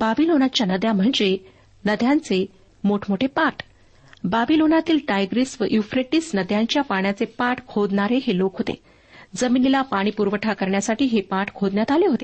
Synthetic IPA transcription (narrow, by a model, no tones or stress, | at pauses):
babilonat͡ɕjanəd̪ʱjam̤əɳd͡ze | nəd̪ʱjant͡se | moʈʰmoʈʰepaʈ | babilonat̪iːlʈajɡɾisʋəʔjufɾeʈisnəd̪ʱjaɲt͡ɕjapaɳjat͡sepaʈkʰod̪ɳaɾeɦelokɦot̪ḛ | d͡zəminilapaɽ̃iːpuɾʋəʈʰakəɾɳjasaʈiːɦepaʈkʰod̪njat̪aleɦot̪e